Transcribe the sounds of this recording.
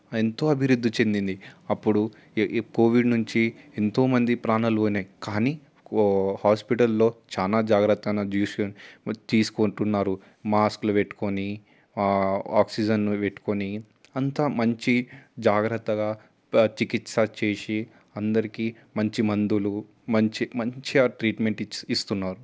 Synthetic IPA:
ent̪o̞ːɐbʱiɾud̪ʱːit͡ʃe̞nd̪ind̪iɐpːuɽu | ko̞ːʋiɖnuɲt͡ʃient̪o̞ːmɐnd̪ipɾaːnɐluoːnaːjikaːniː | haːspiʈɐlːo̞ːt͡ʃaːlaːd͡ʒaːɡɾɐt̪ːɐnɐd͡ʒ̪iːst̪iːsu̥koɳʈunːaːɾu | maːskluʋeʈːu̥koni | aːksid͡ʒɐnʋeʈːu̥koni | ɐnt̪aːmɐɲt͡ʃid͡ʒaːɡɾɐt̪ːɐɡaː | t͡ʃikit̪sɐt͡ʃe̞ːsi | ɐnd̪ɐɾikiː | mɐɲt͡ʃimɐnd̪ulu | mɐɲt͡ʃimɐɲt͡ʃiaʈɾiːʈme̞ɳʈist̪unːaːɾu

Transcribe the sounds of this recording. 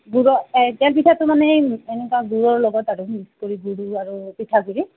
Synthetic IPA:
ɡuɹɔtɛlp̬itʰatʊmanɛɛnɛkwaɡuɹɔɹlɔɡɔtaɹʊmiskoɹiɡuɽuaɹupitʰakuɹi

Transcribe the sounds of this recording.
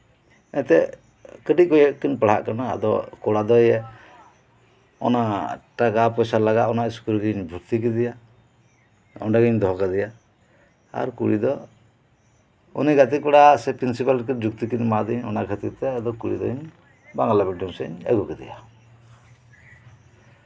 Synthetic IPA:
ɛt̪ɛʔ | kəʈic̚kɔjɛʔkinpaɽ̤a̰ʔkanaa̰d̪ɔ̰kɔɽad̪ɔjɛ | ɔ̰naʔʈakapɔjsalaɡaʔɔnaʔiskulɡiɲbʱuɾt̪ik̬id̪ija | ɔ̰ɖaɡiɲd̪ɔɦkad̪ija | a̰ɾkuɽid̪ɔ | ṵniɡat̪̬ikɔɽasɛpɾinsipalkid͡ʒuk̚t̪ikiɲmad̪iɲɔ̰naɡʰʱət̪it̪ɛad̪ɔkuɽḭd̪ɔ̰ɲ | baŋalabɛɖɔŋsɛɲɛ̰ɡukid̪ḭja

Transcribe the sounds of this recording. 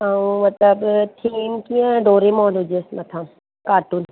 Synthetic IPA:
ɐũmɐt̪ləbt̪ʰiːmkĩə̃ɖoːɾemoːnɦʊd͡ʒesmɐt̪ʰã | kaːʈun

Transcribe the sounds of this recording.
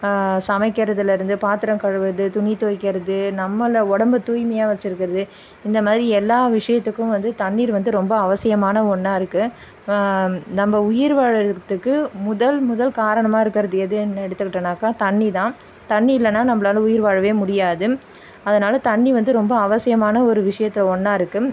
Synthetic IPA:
sɐmɐɪkːɐɾɐðɪlɪɾɯnd̪ɯpaːt̪ɪɾɐŋkɐɻɐʋɯðɯt̪ʊɳit̪oːjkːɪɾɐðɯnɐmːɐlɔɽɐmbɯt̪uːjmɐjaːʋɐt͡ʃːɪɾɯkːɪɾɐðɯ | ɪnd̪ɐmaːðɪɾiɛlːaːʋɪʂɐjɐt̪ːɯkːʊ̃ʋɐnd̪ɯt̪ɐɳːiːɾʋɐnd̪ɯɾɔmbɐːʋɐsɪjɐmaːnɐɔɳːaːɪɾɯkːɯ | nɐmːɐʊjɪɾʋaːɻɐt̪ːɯkːɯmʊðɐlmʊðɐlkaːɾɐɳɐmaːɪɾɯkːɪɾɐðɯjɐðɯɛnːɛɽɯt̪ːɯkːɪʈːɐnaːkaːt̪ɐɳːit̪ãː | t̪ɐɳːiɪlːɐnːaːnɐmːɐlaːlɐʊjɪɾʋaːɻɐʋeːmʊɽɪjaːðɯ | ɐðɐnaːlɐt̪ɐɳːiʋɐnd̪ɯɾɔmbɐːʋɐsɪjɐmaːnɐɔɾɯʋɪʂɐjɐt̪ːɪlɐɔɳːaːɪɾɯkːɯm

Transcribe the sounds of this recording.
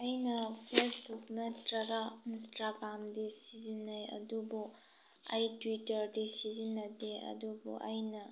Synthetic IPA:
ɐjnɐpʰesbuknɐtɾɐɡainstɾaɡɾamdisizinːajɐ̰dubu | ɐjtwitɐɾdisizinːɐteɐ̰dubṵʔɐjnɐ

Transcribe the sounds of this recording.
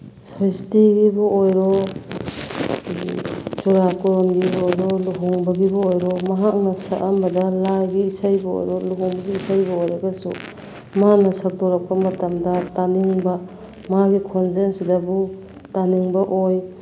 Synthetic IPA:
sajstiɡibuojɾɔ | t͡ʃuɾakɔɾɔnɡibojɾɔluɦɔŋbɐɡibaojɾɔmɐɦak̚nɐsaʔambɐdɐlajɡiːsajbao̰jɾɔluɡɔŋbaɡiːsajbɐojɾaɡɐsṵ | manɐsak̚tɔɾak̚pɐmɐtamdɐtaniŋbɐ | maɡikʰɔnsensdabu | taniŋbɐʔoj

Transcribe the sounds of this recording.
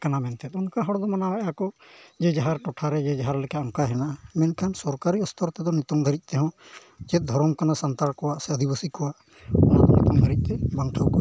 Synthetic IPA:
kanamɛnt̪ʰɛt̪ɔnkaɦɔɽd̪ɔmanawɔʔɛakɔd͡ʒɛd͡ʒaɦaɾʈɔʈʰaɾɛd͡ʒɛd͡ʒaɦaɾlekaɔŋkaɦɛnaʔamɛnkʰansɔɾkaɾiɔst̪ɔɾt̪ɛd̪ɔnit̪ɔŋd̪ʱəɾit̪̚ˀt̪ɛɦɔ̃ | d͡ʒɛt̪̚d̪ʱɔɾɔmkanasant̪aɾkɔwaʔsɛəd̪ʱibəsikɔwaʔ | ɔnakɔnit̪ɔŋd̪ʱəɾit̪̚ˀt̪ɛbaŋʈʰawkɔ

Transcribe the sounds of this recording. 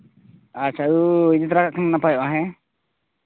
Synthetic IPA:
at͡ʃʰauid͡ʒit̪̬ɾakaʔkʰananapajɔʔaɦɛ̃

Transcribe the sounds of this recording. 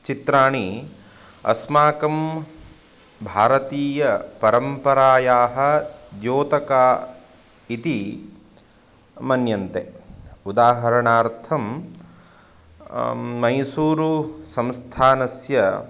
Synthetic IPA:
t͡ʃit̪ɾaːɳi | ɐ̰smaːkɐm | bʱaːɾɐt̪iːjɐpɐɾɐmpɐɾaːjaːɦɐ̆d͡ʒ̪joːt̪ɐkaː | it̪i | mɐnjɐnt̪eud̪aːɦɐɾɐɳaːɾt̪ʰɐm | mɐjsuːɾusɐ̃mst̪ʰaːnɐsjɐ

